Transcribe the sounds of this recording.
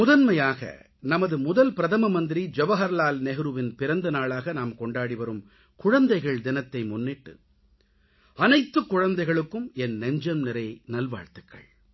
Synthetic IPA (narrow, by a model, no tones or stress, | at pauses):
mʊðɐnmɐjaːɣɐ̰ | nɐmɐðɯmʊðɐlpɪɾɐðɐmɐmɐnd̪ɪɾid͡ʒɛʋɐɦɐɾlaːlnɛɣɯɾɯʋɪnpɪɾɐnd̪ɐnaːɭaːɣɐnaːmkɔɳɖaːɽiʋɐɾɯm | kʊɻɐnd̪ɐɪɣɐɭd̪ɪnɐt̪ːɐɪmʊnːɪʈːɯ̰ | ɐnɐɪt̪ːɯkːʊɻɐnd̪ɐɪɣɐɭɯkːɯmɛnːɛɲd͡ʒɐmnɪɾɐɪnɐlʋa̰ːɻt̪ɯkːɐ̰ɭ